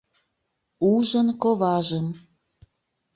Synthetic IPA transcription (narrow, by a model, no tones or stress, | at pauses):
uʒənkoβɑʒəm